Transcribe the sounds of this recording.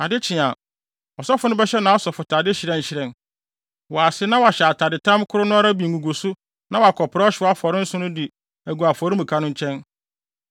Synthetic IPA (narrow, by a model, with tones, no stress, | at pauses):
a˨dɪ˦t͡ɕʰɪ̃˨ã˨ | ɔ˨sɔ˦fʊ˦nʊ̃˦bɛ˦ɕɛ˦nã˨˦ɔ˦sɔ˨fʊ˨tʰaː˨dɪ˦ɕɪ˨ɾɛ̃˦n̩˨ɕɪ˦ɾɛ̃˨n | wɔ˨a˨sɪ˦nã˦wɔ˨a˨ɕɛ˨a˨tʰa˨dɪ˨tʰã˦mkʰʊ˦ɾʊ˦nʊ̃˦a˦ɾa˦bi˨ɡũ˨ɡo˨sʊ˦ | nã˦wɔ˨a˨kʰɔ˨pʰɪɾa˦ɔ˦ɕɪ˨˦ɔ˦a˦fɔ˨ɾɪ̃˦n̩˦sʊ̃˦nʊ̃˦di˨ | æ˨ɡu˨a˨fɔ˨ɾɪ˦mũ˨kʰa˦nʊ̃˦ɲ̩˦t͡ɕʰɛ̃˦n